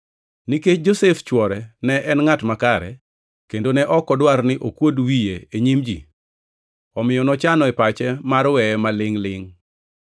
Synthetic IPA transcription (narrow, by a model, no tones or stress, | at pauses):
niket͡ʃd͡ʒoseft͡ʃwɔɾɛnɛʔɛnŋatmakaɾɛ̰ | kendonɛʔɔkɔdwarnɪʔokwodwijeeɲimd͡ʒḭ | ɔmɪjɔnɔt͡ʃanɔɛpat͡ʃɛmaɾwɛmalɪŋlɪŋ